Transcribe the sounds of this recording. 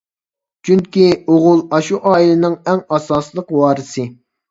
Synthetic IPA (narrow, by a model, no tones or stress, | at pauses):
t͡ʃʰyŋkʲioʁʊlˠɑʃuʔɑːilɪnɨŋɛŋɑsɑːslˠəqwɑːɾɨsɨ